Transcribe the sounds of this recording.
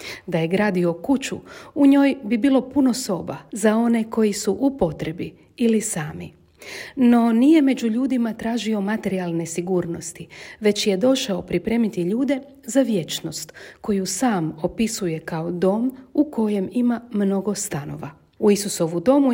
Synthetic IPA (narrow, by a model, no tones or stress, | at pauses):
d̪aje̞ɡɾaːd̪io̞kut͡ɕṵuɲo̞ːjbibiːlo̞puno̞so̞bazao̞ne̞ko̞jisuʔupo̞t̪ɾebi | ilisaːmḭ | no̞nije̞me̞d͡ʑuʎuːd̪imat̪ɾaːʒio̞mat̪e̞ɾialˠne̞siɡuːɾno̞st̪iʋe̞t͡ɕje̞d̪o̞ʃaopɾipɾe̞ːmit̪iʎuːd̪e̞ | zaʋje̞t͡ʃno̞st̪ko̞jusaːmo̞pisuje̞kaod̪o̞ːmuko̞je̞mimamno̞ɡo̞st̪ano̞̰ʋa | uisuso̞ʋud̪o̞mu